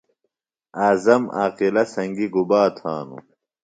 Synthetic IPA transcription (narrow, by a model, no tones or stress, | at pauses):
aːzɐma̰ːqilɐsɐŋɡiɡubaːt̪ʰaːnṵ